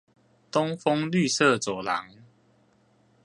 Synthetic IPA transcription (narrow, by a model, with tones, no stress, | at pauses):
t̪o˦ŋfo˦ŋly˥˨sɤ˥˨t͡sɔ˨˩la̰˨˦ŋ